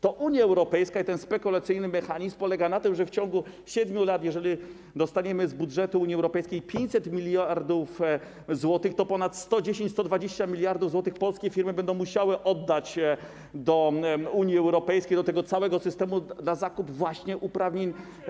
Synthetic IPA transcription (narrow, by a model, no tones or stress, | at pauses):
t̪ɔʔuɲjaɛwɾɔpɛjskait̪ɛnspɛkulat̪sɘjnɘmɛxaɲizmpɔlɛɡanat̪ɘmʐɛft͡ɕɔŋɡu | ɕɛd̪mʲjulat̪jɛʐɛlʲi | d̪ɔst̪aɲɛmɘzbudʐɛt̪uuɲiɛwɾɔpɛjskʲejpʲjeɲt͡ɕsɛt̪mʲilʲjaɾd̪uf | zwɔt̪ɘxt̪ɔpɔnat̪st̪ɔd͡ʑeɕẽɲt͡ɕst̪ɔd̪vad͡ʑeɕt͡ɕamʲilʲjaɾd̪uvzwɔt̪ɘxpɔlskʲɛfʲiɾmɘbɛnd̪ɔ̃w̃muɕawɘʔɔd̪ːat͡ɕ | d̪ɔuɲjiɛwɾɔpɛjskʲejd̪ɔt̪ɛɡɔt̪sawɛɡɔsɘst̪ɛmud̪lazakubvwaɕɲɛʔupɾavɲeɲ